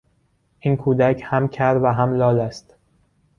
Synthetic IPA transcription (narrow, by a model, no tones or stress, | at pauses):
ʔiːnkʰuːd̪æcʰhæmcʰæɾvæɦæmlɒːlæst̪